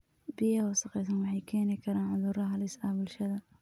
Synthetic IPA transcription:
bɪjɐwɑsɐqɛjsɐnwɑħɑjkʰɛːnɪkʰɐɾaːnʕʊðuːɾɐɦɐlɪsɐbʊlʃɐðɐ

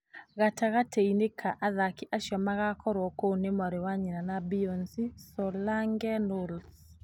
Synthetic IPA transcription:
ɣataɣateinekʰaʔaðakiʔaʃjɔmaɣakʰɔɾwɔkonemwaɾewaɲinanabiɔnsisɔlaŋɡɛnols

